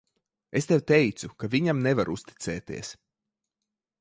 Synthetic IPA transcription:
est̪ɛwt̪ɛjt̪sukavʲiɲamnevaɾust̪i̥t̪sɛːt̪ḭːɛs

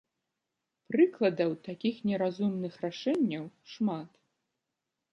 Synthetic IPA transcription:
pɾɨklˠɐd̪ɐwt̪akʲixnʲɛɾazumnɨxraʂɛnʲːɐwʂmat̪

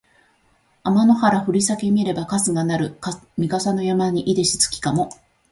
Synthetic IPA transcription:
amano̞haɾaɸɯ̟ɾʲisake̞mʲieɾe̞bakasɨɡanaɾɯ̟kamʲikasano̞jamaɲ̟iʔid̪e̞ɕi̥t͡sɨ̥kʲi̥kamo̞

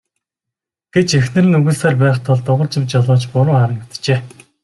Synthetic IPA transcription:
ɡ̥et͡ɕexnɘ̆rɘ̆nɵɣŭɮsaːrpæːχt̪ʰɔɮt̪ʊʁə̆rt͡ɕɪ̆wt͡ɕjɔɮʊːt͡ɕpʊɾʊːχaɾə̆kt̪t͡ɕeː

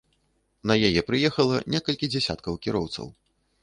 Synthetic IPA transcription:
nɐjajɛpɾɨjɛxɐlˠɐnʲɛkɐlʲkʲid͡zʲɛsʲa̰t̪kɐwkʲiɾɔwt̪sɐ̰w

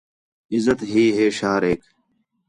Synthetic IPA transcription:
ɪzət̪ɦiːɦeːʃaːɾeːk

